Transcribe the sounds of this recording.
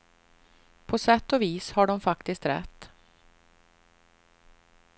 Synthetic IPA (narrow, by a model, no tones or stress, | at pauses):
pʰɔsɛt̪ːɔviːshaɖɔmfakt̪ɪskt̪ɾɛ̰t̪ː